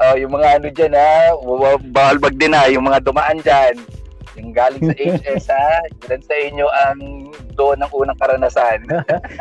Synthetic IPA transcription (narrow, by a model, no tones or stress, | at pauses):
ʔojʊŋmɐŋaʔɐnod͡ʒanababawɐlbɐɡ̚d̪ɪnajʊŋmɐŋad̪ʊmaʔand͡ʒanjʊŋɡaːlɪŋsɐʔejd͡ʒɛsad͡ʒlɐnsɐʔɪɲjoʔɐŋ | d̪oʔonɐŋʔuːnɐŋkɐɾɐnasan